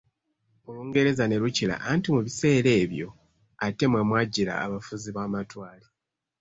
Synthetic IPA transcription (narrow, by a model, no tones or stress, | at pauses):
uluːŋɡe̞ɾe̞zane̞ɾucila̰ʔantimuβise̞ːɾe̞ːβjo̞̰ | ate̞mwemwaːɟiɾa̰ːβafuziβaːmatwaːli